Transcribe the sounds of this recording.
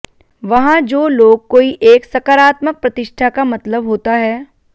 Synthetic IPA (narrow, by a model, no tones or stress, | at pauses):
ʋɐɦãd͡ʒoːloːɡ̚koːiʔeːksɐkaːɾaːt̪mək̚pɾɐt̪ɪʃʈʰakamɐt̪ləbɦoːt̪aɦɛː